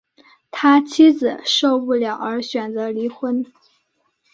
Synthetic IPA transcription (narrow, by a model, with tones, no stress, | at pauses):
t̪ʰa˥t͡ɕʰi˥d͡zɹ̩˨˩ʂo˥˧ʊpu˥˩ljɑ˨˩ʊə˞˧˥ɕɥɛ˨˩nt͡sɤ˧˥li˧˥xwə˥n